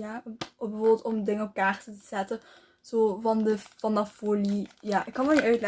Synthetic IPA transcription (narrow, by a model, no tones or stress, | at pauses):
jabəvoːbɪlˠtɔmdɪŋəɔp̚kaːrtətə̥z̥ɛtə | z̥oːvɑndəfɑndafoːlijaːʔɪkːɑnʋɛlˠniʔœɥtlɛ